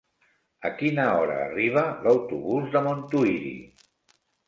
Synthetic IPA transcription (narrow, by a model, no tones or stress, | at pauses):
əkinəɔɾə̰ːriβ̞ələwt̪uβuzðəmont̪uiɾḭ